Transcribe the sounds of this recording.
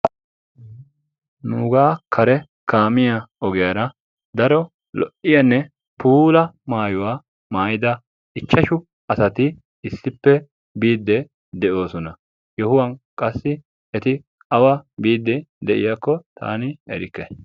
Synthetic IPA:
nuːɡaːkʰɐɾɛ | kʰaːmɪjɐɔɡɛjɐɾɐ | d̪ɐɾɔ | lɔ̰ʔɪjɐnːɛ | puːlɐmaːjʊwaː | maːjɪd̪ɐ | ɪt͡ʃːɐʃʊ | ɐsɐt̪ɪ | ɪsːɪpːɛ | biːd̪ːɛ | d̪ɛʔo̞ːsɔnɐ | jɛhʊwɐnkʼɐsːɪ | ɛt̪ɪ | ɐwabiːd̪ːɛd̪ɛʔɪ̰jakːɔt̪ʰa̰ːnɪɛɾɪkːɛ

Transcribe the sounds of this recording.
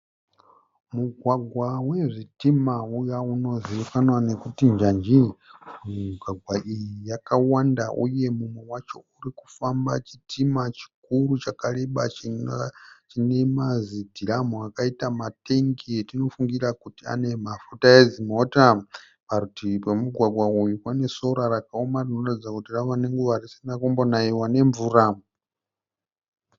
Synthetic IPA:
muɡʱwaɡʱwawe̞ʐitimaujauno̞ziukanwane̞kutind͡ʒand͡ʒi | miɡʱwaɡʱwaʔijijakawandaʔṵje̞mumwe̞wat͡ʃo̞uriku̥famba̰t͡ʃitʰimat͡ʃi̥kuɾut͡ʃakaɾeɓa | t͡ʃinemazidʱiɾamuakaitamateŋɡetino̞fuŋɡiɾakutia̰nemafutajed͡zimota | paɾutipamuɡʱwaɡwaujukwanesoɾaɾakaomarinoratid͡zakutiraʋaneŋɡuʋarisinakumbonaiwaneɱvura

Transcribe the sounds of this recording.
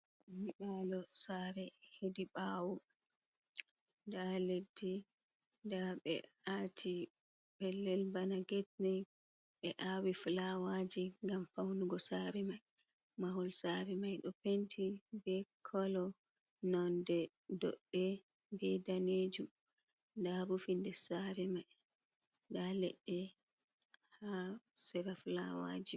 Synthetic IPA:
miɗalɔsaɾɛhediɓawu | ndaledːi | daɓɛ̰atʰi | bɛlːɛlbanaɡɛtnɛ | ɓɛʔawiflawad͡ʒiŋɡamfawnuɡɔsaɾɛmaj | maɦɔlsaɾɛmajɗɔpentʰibɛkʰɔlɔ | nɔndɛ | dɔ̰ɗːɛ | bɛdaned͡ʒu | ndaɾufindɛsaɾɛmaj | ndalɛ̰ɗːɛ | hasɛɾafla̰wa̰d͡ʒi

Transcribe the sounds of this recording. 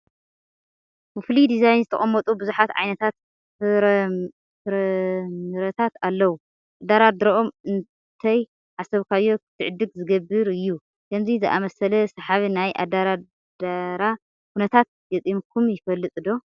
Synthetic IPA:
bɨflid̪izajnzɨt̪ʰɐ̰χʼɐmːɐt̪ʼubɨzuħat̪ʕa̰jnɐt̪ʰat̪ | fɾɐmɨɾɐt̪ʰat̪alːɐwu | ʔad̪aɾad̪ɾɐʔomɨn | t̪ʰɐj | ʕasɐβkʰajːo̞kʰɨt̪ʰɨʕɨd̪ɨɡzɨɡɐbɨɾɨjːu | kʰɐmzizɨʔa̰mɐsɐlɐsɐħaβinajʔa̰d̪aɾa | d̪aɾa | kunɐt̪ʰat̪̚ | ɡɐt̪ʼimkʰumjɪfɐlːɨt̪ʼɨd̪o̞

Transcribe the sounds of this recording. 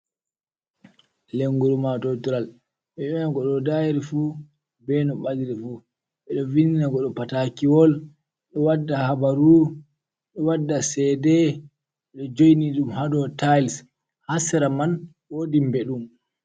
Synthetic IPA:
leŋɡuɾumatɔtuɾal | ɓɛɛnaɡɔɗɔdajiɾifu | bɛnɔɓadiɾifu | ɓɛɗɔvininaɡɔɗɔpatakiwɔl | ɗɔwadːahabaɾu | ɗɔwadːasɛdɛ | ɛɗɔd͡ʒojniɗumhadɔtajls | hasɛɾaman | woːdimbɛɗum

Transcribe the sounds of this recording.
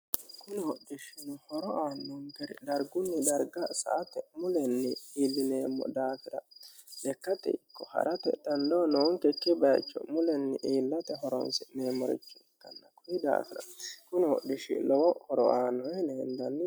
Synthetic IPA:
kʊnɪhɔɗɪʃɪnɔhɔɾɔʔaːnːɔŋɡɛɾɛ̰d̪ɐɾɡʊnːɪd̪ɐɾɡɐsɐ̰ʔːt̪ɛmʊlɛnːɪiːlːɪneːmːɔ̰d̪aːfɪɾɐ | dɛkːɐt̪ɛ̰ɪkːɔhɐ̰ɾʔɐt̪ɛ̰d̪ɐnd̪ɔnoːŋkɛkːɪbɐjɐ̰t͡ʃːɔ̰mʊlɛnːɪʔiːlːɐt̪ɛɦɔɾɔ̰nsɪneːmːɔɾɪ̰t͡ʃːɔkːɐnːɐkɔjɪd̪a̰ːfɪɾɐkʊnɪhɔ̰ɗɪʃɪ̰lɔwɔhɔɾɔ̰aːnːɔɛnɛɛnd̪ɐnːɪ

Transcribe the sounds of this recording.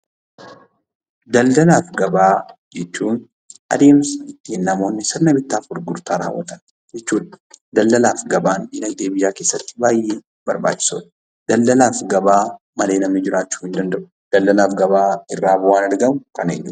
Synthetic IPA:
d̪ɐld̪ɐlaːfɡɐbaːd͡ʒɛt͡ʃːuːn | ʔɐ̰d̪e̞ːmsɐɪt̪ːiːnːɐmo̞ːnːɪsɪɾnɐbɪt̪ːaːfɔɾɡʊɾt̪aːɾa̰ːwːɐ̰t̪ɐ̥n | d͡ʒɛt͡ʃːuːᶑɐ̥d̪ɐlːɐlaːfɡɐbaːnɪnɐɡ̚d̪e̞ːbɪjaːke̞ːsːɐt̪ːɪ̥baːjːeː | bɐɾba̰ːt͡ʃːɪ̥so̰ːᶑɐ̥ | d̪̥ɐld̪ɐlaːfɡɐbaː | mɐle̞ːnɐmnɪd͡ʒɪɾaːt͡ʃːu̥ːhɪnd̪ɐnd̪ɐʔʊ̥ | d̪̥ɐldɐlaːfɡɐbaːɪrːaːbʊwaːnɐɾɡɐmʊkɐnḛnː

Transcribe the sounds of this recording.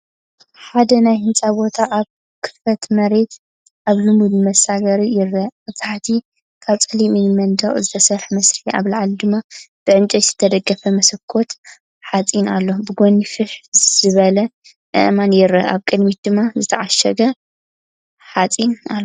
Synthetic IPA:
ħad̪ɐnajhɨnt͡sʼabo̞t̪ʰaʔaβ | kʰɨ̥fɐt̪mɐɾe̞t̪ | ʔaβlɨmud̪mɐsaɡɐɾijɪɾːɐɨzaħt̪ʰi | kʰaβt͡sʼɨliminmɐnd̪ɐχʼzɨt̪ʰɐsɐɾħmɐsɾia̰βlaʕald̪ɨmːab̥ɨʕɨnt͡ʃʼɐjz̥ɨt̪ʰɐd̪ɐɡɐfɐmɐsɐkʰːo̞t̪ | ħat͡sʼinalːo̞bɨɡonifɨħzɨβɐlɐ | ʔɨ̰ʔmanjɪɾːɐ̰ʔa̰βkʼɨd̪mit̪̚d̪ɨmːazɨt̪ʰɐʕaʃɐɡɐ | ħat͡sʼinalː

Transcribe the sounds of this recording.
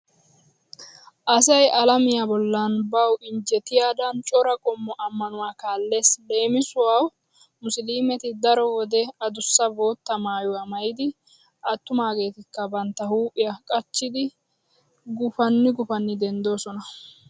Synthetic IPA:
ʔɐsɐjɐlɐmɪjabɔlːɐnbɐwɪɲd͡ʒɛt̪ɪjaːd̪ɐnt͡ʃʼɔɾɐkʼɔmːɔʔɐmːɐnʊwaːkaːlːe̞ːsle̞ːmɪsʊwaw | mʊsliːmɛt̪ɪd̪ɐɾɔwɔd̪ɛɐd̪ʊsːɐbo̞ːt̪ːɐmaːjʊwamɐjɪd̪ɪ | ʔɐt̪ːʊmaːɡe̞ːt̪ɪkːɐbɐnt̪ːɐhuːpʼːɪjɐkʼɐt͡ʃːɪd̪ɪ | ɡʊfɐnːɪɡʊfɐnːɪd̪ɛnd̪o̞ːsɔnɐ

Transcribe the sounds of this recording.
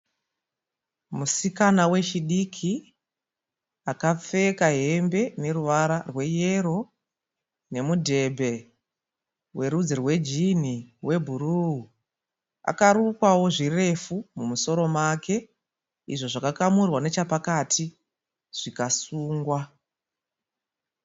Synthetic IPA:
musikanawe̞t͡ʃiɗikʰi | akap͡fe̞kaɦe̞mbe̞ne̞ruʋaɾarwe̞je̞ro̞ | ne̞mudʱe̞bʱe̞ | we̞ɾud͡zirwe̞d͡ʒin̤iwe̞bʱuɾuɦu | a̰kaɾukwawo̞ʐire̞fumumuso̞ɾo̞makʰe̞ | ḭʐo̞ʐakakamurwane̞t͡ʃapakatʰi | ʐ̥ikasuːŋɡwa

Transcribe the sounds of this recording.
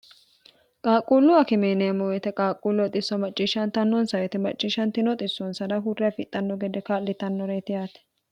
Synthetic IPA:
kʼaːkʼːulːɔɐkɪmeːnɛɐmɔwɛt̪ɛkʼaːkʼːuːlːɔt̪ʼɪsːɔmɐt͡ʃʼːɪʃɐnt̪ɐnːɔnsɐwɛt̪ɛmɐt͡ʃʼːɪʃɐnt̪ɪnɔt̪ʼɪsːɔnsɐd̪ɐɦʊrːɪɐfɪt̪ʼːɐnːɔɡɛd̪ɛkaːlːɪt̪ɐnːɔɾeːt̪ɪjaːt̪ɛ̥

